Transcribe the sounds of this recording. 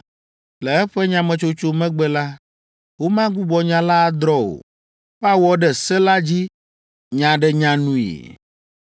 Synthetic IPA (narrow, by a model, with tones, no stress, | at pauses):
lɛ˨ɛ˦ɸɛ˦ɲã˨mɛ̃˨t͡ʃo˦t͡ʃo˦mɛ̃˦ɡ͡bɛ˦la˦ | wo˦mã˦ɡu˦bɔ˨ɲã˦la˦d̪ɾɔ˦o̰˨ | ɸa˦wɔ˦ɖɛ˨sɛ˦la˦d͡ʑi˦ | ɲã˨ɖɛ˨ɲã˨nũ˦ḭ˨